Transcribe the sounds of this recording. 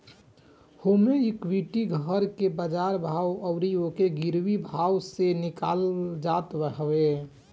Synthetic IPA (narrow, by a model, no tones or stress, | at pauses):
homeikʋiʈiɡʱəɾkebəd͡ʒaɾbʱawəʊɾiokeɡiɾwibʱawsenɪka̰ld͡ʒat̪bəɦwe